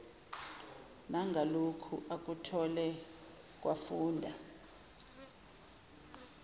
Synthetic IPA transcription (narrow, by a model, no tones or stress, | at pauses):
naŋɡʱalokʰuʔak̬ʼutʰɔlɛ | k̬ʼwafuːndʱa